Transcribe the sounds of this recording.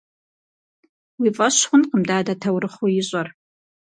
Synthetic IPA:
wifʼɐɕχʷʊnqəmdaːdɐtʰɐwɾɨχojɪɕʼɐr

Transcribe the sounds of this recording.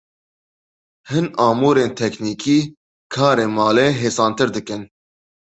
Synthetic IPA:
hɨnɑːmuːɾeːnt̪ʰɛkniːkʰiː | kʰɑːɾeːmɑːleːɦeːsɑːnt̪ɨɾd̪ɨkɨn

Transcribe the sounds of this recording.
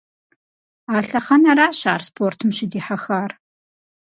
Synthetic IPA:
aːɬɐχɐnɐɾaːɕaːrspʰoːrtʰɨmɕɪdiːħaxaːr

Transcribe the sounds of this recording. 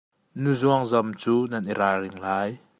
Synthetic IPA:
nuzuaŋzamt͡suːnɐniɾarɪŋlaj

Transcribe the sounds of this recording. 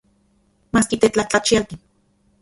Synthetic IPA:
maːskit̪et͡ɬat͡ɬat͡ʃialt̪in

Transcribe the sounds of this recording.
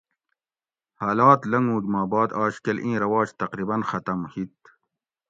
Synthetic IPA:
haːlaːt̪lɐŋɡũːd͡ʑmaːbɑːd̪ɑːɕkelʔĩːɾɐwɑːd͡ʑt̪ɐqɾiːbɐnxɐt̪ɐmhit̪

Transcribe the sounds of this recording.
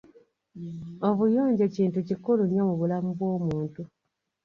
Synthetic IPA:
o̞βujoːɲɟeciːntucikulunjomuβulamuβwo̞ːmuːntu

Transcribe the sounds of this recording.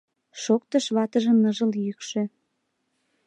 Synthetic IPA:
ʃok̚t̪əʃβɑt̪əʒəmnəʒəljykʃø̆

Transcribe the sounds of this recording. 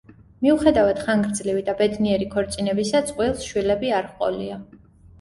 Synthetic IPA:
miuχɛd̪avad̪̥χaŋɡɾd̪zlivid̪abɛd̪niɛɾikʰɔɾt̪sʼinɛbisat̪sʼqʼwilˠsʃwilɛbiaɾχqʼɔ̰lḭa

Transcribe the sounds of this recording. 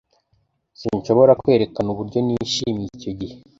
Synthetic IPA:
siɲʃo̞βo̞ɾakwe̞ːɾe̞kanuβuɾɟoniʃimico̞ɟihe

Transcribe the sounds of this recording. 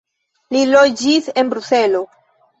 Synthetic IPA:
lilod͡ʒise̞nbɾuse̞lo̞

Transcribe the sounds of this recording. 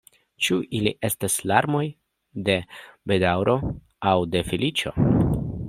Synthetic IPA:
t͡ʃuʔilḭʔe̞staslaɾmo̞j | de̞be̞dawɾʔo̞ | awde̞filit͡ʃo̞̰

